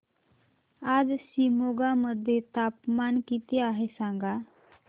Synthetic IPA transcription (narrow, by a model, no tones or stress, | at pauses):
ad͡zɕimoɡaməd̪ʱːjet̪apmankit̪eaɦesãŋɡa